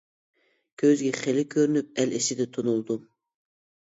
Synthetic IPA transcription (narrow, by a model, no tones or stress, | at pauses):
kʲʰøzɡʲɛχelɪkʲʰøɾynyp̚ɛlesɪd̪ɛt̪ʰonulˠd̪u